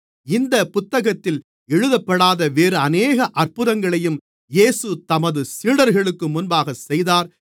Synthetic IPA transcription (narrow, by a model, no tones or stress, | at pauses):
ɪnd̪ɐpʊt̪ːɐɣɐt̪ːɪl | ɛɻɯðɐpːɐɽaːðɐʋeːɾɯɐneːɣɐʔɐrpɯðɐŋɡɐɭɐjɯm | jeːsɯt̪ɐmɐðɯsiːɽɐɾɣɐɭɯkːɯmʊnbaːɣɐsɛjðaːɾ